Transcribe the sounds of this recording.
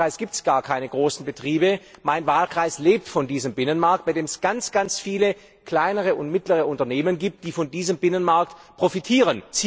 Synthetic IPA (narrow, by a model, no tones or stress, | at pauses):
aɪsɡ̥iːp̚tsɡ̥aːɐkʰaɪnəɡʁoːsn̩bətʁ̥iːbəmaɪnvaːlkʁ̥aɪsleːp̚tfɔndiːzəmbɪnənmaɐk̚t̚b̥aɪdeːmɛsɡ̥ant͡sɡ̥ant͡sfiːlə | kl̥aɪnəʁ̞əʊntmɪtləʁəʔʊntɐneːmənɡiːp̚t̚d̥iːfɔndiːzəmbɪnənmaɐk̚tpʁ̥ofitʰiːʁ̞ənt͡sː